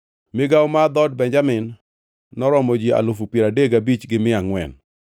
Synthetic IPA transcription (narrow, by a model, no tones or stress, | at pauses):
mɪɡawmad̪ɔd̚bɛɲd͡ʒamɪnː | ɔɾɔmɔd͡ʒia̰lofupjeɾadeɡabit͡ʃɡɪmɪaŋwɛ̰n